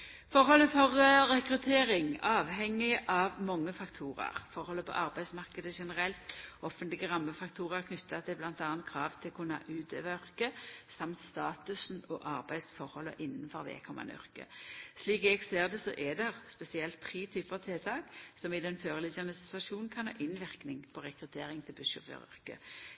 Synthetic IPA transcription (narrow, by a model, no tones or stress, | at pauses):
fɔɾhɔlːəfɔʁɾɛkɾʉt̪ʰeːɾɪŋɑːʋhɛŋːɪʔɑʋmɔŋːəfɑkt̪ʰuːɾə̰ʁfɔɾhɔlːəpʰɔ̰ʔɑʁbæɪsmɑʁkəd̪əʂɛnəʁɛlt̪ɔfənt̪lɪɡəʁɑmːəfɑkt̪ʰuːʁəʁkʰnʉt̪ːɑt̪ʰɪblɑnt̪ɑːnt̪̚kʰɾɑːʋt̪ʰɪlkʰʊnːɑ̰ʔʉːd̪ø̰ːʋœʁkəsɑmt̪st̪ɑːt̪ʉsn̩ɔʔɑʁbæɪsfɔʁhɔlːə̰ʔɪnːn̩fɔʁʋɛ̰kʰɔmːʔɑ̰nœ̰ʁkə̰sliːkɛɡseːʁd̪ɛsɔ̰ʔɛd̪ɛʁspɛsɪɛlt̪ʰːɾiːt̪ʰyːpəɑʋt̪ʰelt̪ʰɑːksɔmɪd̪ɛnføːʁəlɪdɑnəsɪt̪ʉʋɑʃuːnnkʰɑnhɑ̰ːʔɪnʋɪʁknɪŋpʰɔʁɛkɾʉt̪ʰeːʁɪŋt̪ʰɪlbʉʃəʁə̰ʁœ̰ʁkə̰